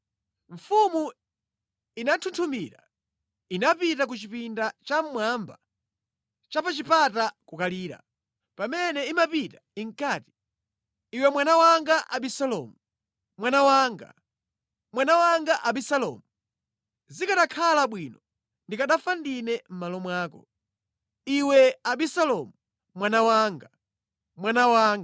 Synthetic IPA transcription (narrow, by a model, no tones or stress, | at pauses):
ɱ̩fumu | inatʰuntʰumiːɾa | inapitakut͡ʃipindat͡ʃam̩mwamba | t͡ʃapat͡ʃipatakukaliːɾa̰ | pamɛnɛimapitaiŋkaːti̥ | iwɛmwanawaŋɡaʔaɓisalɔ̰mu | mwanawaːŋɡa̰ | mwanawaŋɡaʔaɓisalɔ̰mu | zikaɗakʰalaɓwiːnɔ | ndikaɗafandinɛm̩malɔmwaːkɔ̰ | iwɛaɓisalɔmu | mwanawaːŋɡa | mwanawaːŋɡ